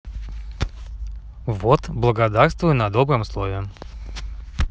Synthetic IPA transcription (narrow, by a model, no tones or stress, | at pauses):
vot̪blˠəɡɐd̪arst̪vʊjʊnɐd̪obɾəmslˠovʲɪ